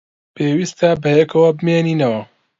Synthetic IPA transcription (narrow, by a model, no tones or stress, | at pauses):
pʰeːwist̪ɐbɐjɛkʰɐwɐbɨmeːniːnɐwɐ